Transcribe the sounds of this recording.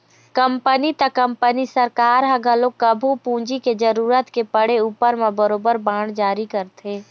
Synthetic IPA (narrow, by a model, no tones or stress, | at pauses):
kəmpənit̪ɐkəmpənisəɾkaːɾɦɐɡəloːkəbʱupũːd͡ʒiked͡ʒəɾuːɾət̪kepəɽeuːpəɾmẽbəɾoːbəɾbaːɳ̃d͡ʒaːɾikəɾt̪eː